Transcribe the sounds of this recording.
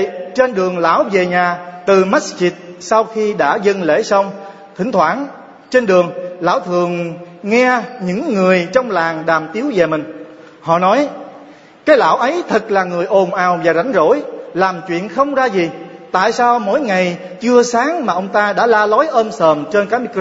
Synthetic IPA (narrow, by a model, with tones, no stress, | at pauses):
t͡ɕe˧nɗɨ˨˩əŋla̰ː˧˥˩wve˨˩ɲaː˨˩t̪ɨ˨˩ma˦˥t͡ɕi˨˩t̚sa˧wxi˧ɗa̰ː˧˥zə˧nlḛ˧˥sə˧wŋ͡m | t̪ʰï˧˩ŋ̟t̪ʰwa̰ː˧˥n | t͡ɕe˧nɗɨ˨˩əŋla̰ː˧˥wt̪ʰɨ˨˩əŋŋɛ˧ɲɨ̰˧˥ŋːɨ˨˩əjt͡ɕɔ˧wŋ͡mlaː˨˩ŋɗaː˨˩mt̪i˨˦əwve˨˩mï˨˩ŋ̟ | hɔ̰˧˨nɔ˨˦j | kaː˨˦jla̰ː˧˥˩wʔə˨˦jt̪ʰɨ˨˩k̚laː˨˩ŋɨ˨˩əjʔo˨˩nʔaː˨˩wvaː˨˩za˨˦jŋ̟zo̰˧˥jlaː˨˩mt͡ɕwḭ˧˨ənxə˧wŋ͡mzaː˧zi˨˩ | t̪a̰ː˧˨jsaː˧wmo̰˧˥jŋa˨˩j | t͡ɕɨ˧əsaː˨˦ŋmaː˨˩ʔə˧wŋ͡mt̪aː˧ɗa̰ː˧˥laː˧lɔ˨˦jʔəː˧msəː˨˩mt͡ɕe˧nkaː˨˦˥mi˧k